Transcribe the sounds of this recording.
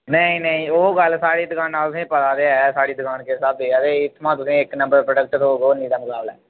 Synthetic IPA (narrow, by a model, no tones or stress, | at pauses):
nəĩːnəĩːoːɡəlsaːɽiːd̪əkʰaːnːaːlt̪ʊsĩːpət̪aːɾeaɛsaːɽiːd̪əkʰaːnkeːɪsaːb̚d̪eːaːd̪eːɪt̪ʰmãːt̪ʊsĩːɪknə̃mbəɾpɾəɖək̚ʈɾoːɡoːnĩːd̪aːmʊkaːbla̰ɛː